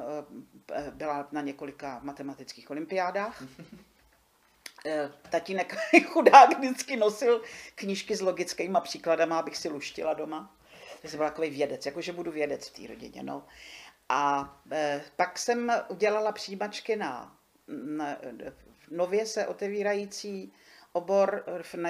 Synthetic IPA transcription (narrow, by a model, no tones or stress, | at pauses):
bɪlanaɲɛko̞lɪkavmat̪ɛmat̪ɪt͡skiːxo̞lɪmpɪjaːdaːx | t̪acɪnɛkxudaːkdɪt͡skɪno̞sɪlkɲiʃkɪzlo̞ɡɪt͡skɛjmapr̥iːkladamaabɪxsɪluʃcɪ̰lado̞ma | t̪aksɛmbɪlt̪akovɛjvjɛdɛt͡sjakoʒɛbuduvjɛdɛt͡sft̪ḭːɾo̞̰ɟɪ̰ɲɛ̰no̞̰ʔa | paksɛmʔuɟɛlalapr̥ijimat͡ʃkɪna̰ | no̞vjɛsɛʔo̞t̪ɛviːɾajit͡siː | ʔo̞bo̞ɾvnɛ